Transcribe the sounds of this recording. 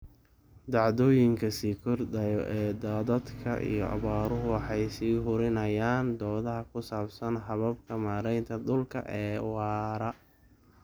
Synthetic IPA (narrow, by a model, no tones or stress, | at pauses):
d̪ɑʕðɔːjɪŋkʰɐsiːkʰɔrd̪ɐjɔʔɛːd̪aːðɐd̪kʰɐ̰ʔḭjɞ̰ʔɑ̰βaːɾʊɦʊwɑħɑjsiːɦʊɾɪnɐjaːnd̪ɔːðɐɦɐkʰʊsaːbsɐnħɑβɐb̚kʰɐmaːɾɛjnt̪ʰɐd̪ʊlkʰɐ̰ʔɛːwɑːɾɐ